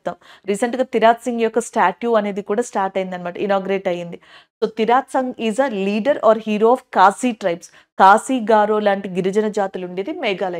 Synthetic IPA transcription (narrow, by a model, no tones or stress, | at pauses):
t̪ːaːmɾiːsɐɳʈɡaːt̪iɾaːt̪siŋɡjɔkːɐsʈaːʈjuːɐne̞ːd̪ikuːɽaːsʈaːɾʈɐjind̪ɐnimaːʈɐ̰inɔːɡɐɾeːʈɐjind̪i | soːt̪iɾaːt̪sɐŋɡiːzɐliːɖɐɾʔɔːɾɦiːɾoːɔːfkaːsiːʈɾɐjps | kaːsiːɡaːɾoːlaːɳʈiɡiɾɐd͡ʒɐnɐd͡ʒaːt̪iluɳɖeːd̪imɛːɡaːlɐ